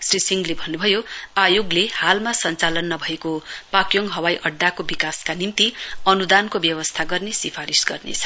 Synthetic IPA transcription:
srisiŋɡlebʱʌnːubʱʌjoajoɡlehalmasʌnt͡salʌnːʌbʱʌekopakjoŋɡɦʌwajʔʌɖːakobikaskanimt̪iʌnud̪ankobjʌwʌst̪ʰaɡʌrnesipʰaɾisɡʌrnḛt͡sʰʌ̥

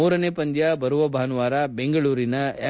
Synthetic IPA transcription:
uːɾɐneːpɐnd̪jabɐɾuʋɐbʱaːnuʋaːɾɐbeŋɡɐɭuːɾinɐe

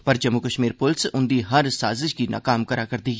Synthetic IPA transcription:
pɐɾd͡ʒɐmːukɐʃmiːɾpʊlsʊ̃nd̪iɦɐɾsaːzɪʃkinʔa̰ːkaːmkɐɾakɐɾd̪iː

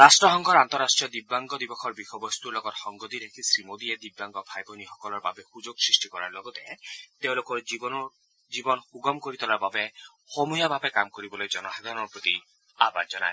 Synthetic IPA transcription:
ɾasʈɔɦɔŋɡʰʱɔɾant̪ɔɾasʈɹijɔd̪ibːaŋɡɔd̪ibɔkʰɔɾbixɔbɔst̪uɾlɔɡɔt̪hɔŋɡɔd̪iɾekʰisɾimod̪ied̪ibːaŋɡɔbʰʱajbʱɔniɦɔkɔlɔɾba̰behud͡ʒoɡsɹisʈikɔɾa̰ɾlɔɡɔt̪et̪ew̃lokɔ | d͡ʒibɔnxuɡɔmkoɾit̪ɔlaɾbabe | homujabʱabekamkoɾibɔlojd͡ʒɔnɔsad̪ʱaɾɔnɔɾpot̪i | abad͡ʒɔna̰

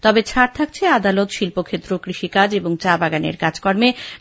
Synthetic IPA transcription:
t̪ɔbet͡ɕʰaɾt̪ʰak̚t͡ɕʰead̪alot̪ʃilpokʰet̪ːɾokɾiʃikad͡ʑeboŋt͡ɕabaɡanḛɾkad͡ʑkɔɾme

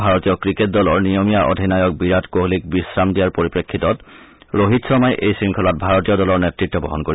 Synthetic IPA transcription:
bʱaɹɔtijɔkɹiket̚dɔlɔɹnijomijaʔo̰dʱinajɔk̚biɹatkoɦlik̚bisɹamdijaɹpoɹipɹekʰːitɔt | ɹoɦitsɔmajʔejsɹiŋkʰɔlɔt̚bʱaɹɔtijɔdɔlɔɹnɛtɹitːɔbɔ̰ɦɔnkoɹi

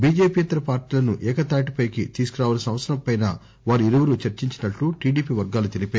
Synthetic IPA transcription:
biːd͡ʒeːpiːɐt̪ɐɾɐpaːɾʈiːlɐnuʔɛːkɐt̪aːʈ̬ipɐjkḭt̪iːsukuɾaːʋɐːlɐsɐ̃mʋɐt̪sɐɾɐmpɐjna̰ː | ʋaːɾuiɾuʋɐɾut͡ʃɐɾt͡ʃiɲt͡ʃinɐʈːuʈiːɖiːpiːʋɐɾɡaːlut̪elipeː

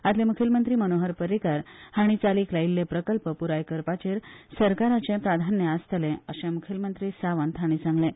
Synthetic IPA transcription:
at̪lẽmukʰilmənt̪ɾiːmənoɦəɾpəɾikaɾhaɽ̃it͡saliːklailːepɾəkəlpəpuɾajkəɾpat͡ɕeɾsəɾkaɾat͡sẽpɾad̪ʱanjəast̪ʰəlẽəɕẽmukʰilmənt̪ɾiːsaʋənt̪ʰaɽ̃iːt͡sãŋɡlẽ

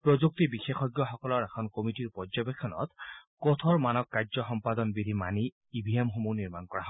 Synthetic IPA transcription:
pɹɔzuk̚tibixexɔɡjɔxɔkɔlɔɹɛkʰɔnkomitiɹpɔɹzɔbekʰːɔnɔ̰t̪kɔt̪ʰɔɹmanɔkːajzɔxɔmpad̪ɔnbidʱima̰ni | ibʱiemxomuniɹmankɔɹaɦɔ

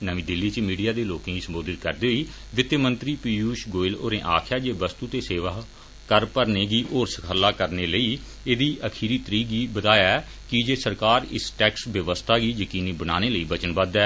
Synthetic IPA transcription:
nəʋĩːd̪ɪlːiːt͡ʃmiːɖijaːd̪eːloːkẽːɡiːsəmboːd̪ɪt̪̚kəɾd̪eːoiː | ʋɪt̪jəmənt̪ɾiːpiːjuːʃɡoːɪlo̰ːɾẽːʔaːkʰjaːd͡ʒeːʋəst̪uːt̪eːseːʋaː | kəɾpəɾneːɡiːʔoːɾsəkʰəlːaːkəɾneːləiː | eːd̪iːʔəkʰiːɾiːt̪əɾiːɡiːbət̪aːjaɛː | kɪd͡ʒeːsəɾkaːɾɪ̰sʈɛːksʋjəʋəst̪ʰaːɡiːjəkiːniːbənaːneːləiːbət͡ʃənbəd̪ɛː

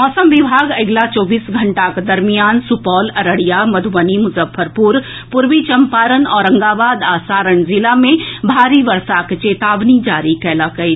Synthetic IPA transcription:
ɔːsəmʋɪbʱaːɡɐɡlat͡ʃɔːbiːsɡʱɐɳʈakd̪ɐɾmijaːnsupɔːlɐɾəɽijamɐd̪ʱuʋənimʊzəfʰəɾpuɾ | pʊɾʋit͡ʃɐmpaːɾənɔːɾɐ̃ŋɡaːʋaːd̪aːsaːɾəɳzɪlamẽbʱaːɾiʋɐɾsakt͡ʃeːt̪aːʋnid͡ʒaːɾikɛːlakɐi

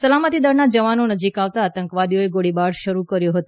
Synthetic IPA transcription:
səlamət̪id̪əɾnad͡ʒəʋanonəd͡ʒikaʋt̪aːt̪əŋkʋad̪ijoeɡoɽibaɽʃəɾukəɾjoɦət̪o

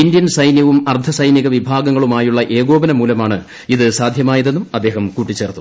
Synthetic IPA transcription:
ind̪jɐnsɐjnjɐʋumɐrd̪ʰɐsɐjnjiɣɐʋibʱaːɡɐŋːɐɭumaːjuɭːɐʔe̞ːɡo̞ːbɐnɐmuːlɐmaːɳɨ | iðɨsaːd̪ʱjɐmaːjɐðe̞nːumɐd̪ːe̞ːɦɐmkuːʈːit͡ɕːe̞ːrt̪ːu

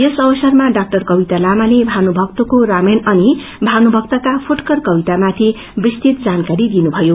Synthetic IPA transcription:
jesʌbʌsʌrmaɖak̚ʈʌrkʌbit̪alamanebʱanubʱʌkt̪okoɾamenʌni | bʱanubʱʌk̚t̪ʌkapʰuʈkʌrkʌbit̪amat̪ʰi | brist̪it̪̚d͡zankaɾid̪inubʱʌjo

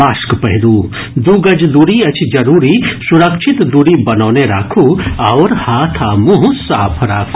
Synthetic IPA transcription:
aːʃkpɐɦid̪uː | d̪uːɡɐd͡ʒd̪uɾiɐt͡ʃʰd͡ʒɐɾuːɾisuɾɐkʃʰit̪d̪uɾiːbɐnɔːneɾa̰ːkʰuɐʋɾhaːt̪ʰaːmũɦsaːpʰɾaːkʰu

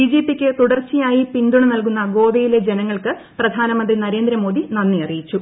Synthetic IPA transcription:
id͡ʑiːpːikʲːɨt̪uɽɐrt͡ɕːijaːjipind̪uɳɐnɐlk̬unːɐɡo̞ːbɐjile̞d͡ʑenɐŋːɐɭkɨ | prɐd̪ʱaːnɐmɐnd̪rinɐɾe̞ːnd̪ɾɐmo̞ːd̪inɐnːijɐrijit͡ɕːu

